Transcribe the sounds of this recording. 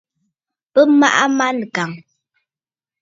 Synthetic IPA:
pə˦ma˦ʔa˦ma˦n˨ka˨ŋ

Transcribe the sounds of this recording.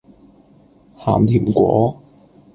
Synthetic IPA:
haː˨˩mt̪ʰiː˨˩mkʷɔ̰ː˨˥

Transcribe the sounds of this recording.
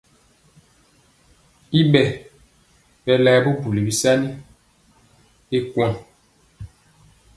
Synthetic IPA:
i˦ɓɛ˨ | ɓɛ˨lɛː˨˦bu˦bu˨li˨bi˦sa˦ni˦ | e˦kwɔ̃˨

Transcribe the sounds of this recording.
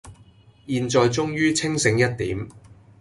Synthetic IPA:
jiː˧nt͡sɔː˨˧jt͡ʃʊ˥ŋjyː˥t͡sʰɪ˥ŋsɪ˨˥ŋjɐ˥t̚t̪iː˨˥m

